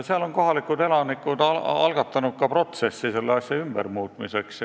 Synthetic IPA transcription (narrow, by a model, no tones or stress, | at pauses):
seɑlo̞nko̞ɦɑlikːˑud̪e̞lɑnikːˑud̪ɑɑ̰lɡ̥ɑt̪ːˑɑnut̪̚kɑpro̞t̪se̞sːise̞lːeɑsʲjɑymb̥ḛrmuːt̪ˑmise̞ks